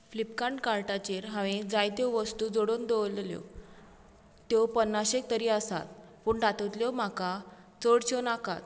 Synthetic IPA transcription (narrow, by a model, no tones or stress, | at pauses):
flipkaɳʈkaɾʈat͡ɕeɾɦãʋẽd͡zajt̪joʋəst̪uːd͡zoɽoːnd̪olljo̰ | t̪jopənːaɕek̚t̪əɾiːəsa̰t̪̚puːɳɖat̪ət̪ljɔm̤aka | t͡səɽt͡ɕonaka̰t̪